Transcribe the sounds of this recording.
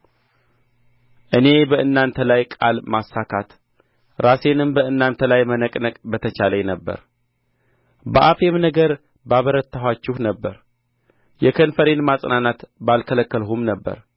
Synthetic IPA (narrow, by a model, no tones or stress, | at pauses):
ʔɨne̞bəʔɨnːant̪ʰəlajkʼalmasːakʰat̪ | ɾase̞nɨmbəʔɨnːant̪ʰəlajmənəkʼnəkʼbət̪ʰət͡ʃaləjnəbːə̰ɾ | bəʔafe̞mnəɡəɾ | baβəɾət̪ːaɦwat͡ʃːɪhnəbːəɾ | jɛkʰənfəɾe̞nmasʼnanat̪balkʰələkːəlɦumnəbːə̰ɾ